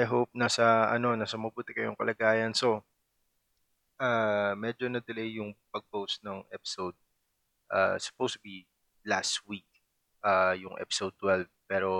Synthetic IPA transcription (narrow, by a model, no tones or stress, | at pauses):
ʔajɦowp̚nasɐʔɐ̰no̞nasɐmɐbuːt̪ɪkɐjʊŋkɐlɐɡaːjɐnso̞ | ʔaːmɛd͡ʒo̞nɐd̪ɪlejjʊŋpɐɡ̚powsnɐŋʔɛpɪ̥sowd̪̚ | ʔa̰sʊ̥powsbi | last̪wik̚ | ʔajʊŋʔɛ̰pɪ̥sowd̪̚t̪wɛlvpɛːɾo̞